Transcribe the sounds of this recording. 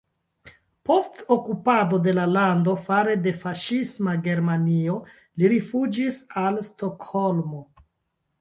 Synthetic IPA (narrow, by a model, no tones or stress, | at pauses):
po̞stokupado̞de̞lalando̞faɾe̞de̞faʃismaɡe̞ɾmanio̞ | liɾifud͡ʒisalsto̞kholmo